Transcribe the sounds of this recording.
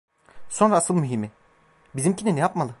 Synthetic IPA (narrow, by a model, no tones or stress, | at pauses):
so̞nɾaasɯlˠmyɦimi | bizimcʰininijapmalˠɯ